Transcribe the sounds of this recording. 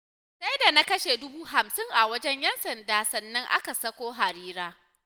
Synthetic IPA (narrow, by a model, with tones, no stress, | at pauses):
sa˦jda˨na˦kɐ˦ʃe˨dʊ˦buː˦ɦa˨msɪ˦ŋʔa˨wɐ˦d͡ʒɛ˦ɲjɛ˦nsɐ˨ndaː˦sɐ˨nːɐ˦ŋʔa̰˦ka˨sɐ˦kʷoː˦ɦa˨ɾiː˦ɾaː˦